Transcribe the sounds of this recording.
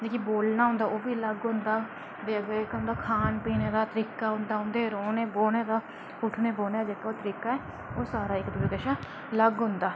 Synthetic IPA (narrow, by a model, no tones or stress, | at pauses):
d͡ʒeːkiboːlnaːɦʊ̃nd̪aːoːbiːləɡɦʊ̃nd̪aː | deːɡekɦʊ̃nd̪aːkʰaːnpiːneːd̪aːt̪əɾiːkaːɦʊ̃nd̪aːɦʊnd̪eːɾoːneːboːneːd̪aː | ʊʈʰneːboːneːd͡ʒeːkːaːoːt̪əɾiːkaːɛː | oːsaːɾaːɪkd̪ɪbeɡəʃaː | ləɡɦʊ̃nd̪aː